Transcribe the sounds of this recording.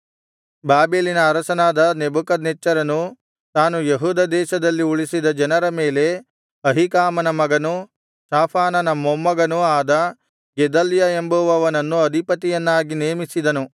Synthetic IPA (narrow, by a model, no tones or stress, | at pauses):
baːbeːlinɐːɾɐsɐnaːd̪ɐnebukɐd̪nɛt͡ʃːɐɾɐnu | t̪aːnujeɦuːd̪ɐd̪ɛːʃɐd̪ɐlːiuɭisid̪ɐd͡ʒɐnɐɾɐme̞ːle̞ | ɐɦikaːmɐnɐmɐɡɐnu | saːpʰaːnɐnɐmomːɐɡɐnuaːd̪ɐ | ɡɛd̪ɐljaembuʋɐʋɐnɐnːuɐd̪ʱipɐt̪ijɐnːaːɡineːmisid̪ɐnu